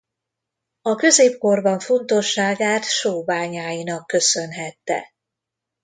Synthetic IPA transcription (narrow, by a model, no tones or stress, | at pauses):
ɒkø̞zeːpko̞rbɒɱfo̞nt̪o̞ʃːaːɡaːt̪ʃoːbaːɲaːjinɒkːø̞sø̞nɦɛt̪ːɛ̰